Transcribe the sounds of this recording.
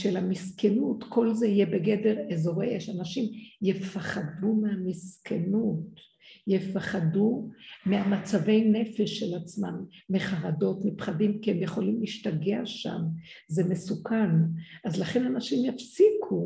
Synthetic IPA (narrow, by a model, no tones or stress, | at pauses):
ʃelhamiskenutkʰo̞lzeijebe̞ɡe̞de̞ʁezo̞ʁejeʃanaʃimjefaχadumeamiskʰenut | jefaχadumeamat͡save̞jne̞fe̞ʃːelat͡smanːeχaʁado̞tmipχadimkihemjeχo̞limliiʃtaɡeaʃa̰m | zeme̞sukanʔazlaχenanaʃimjafsikʰu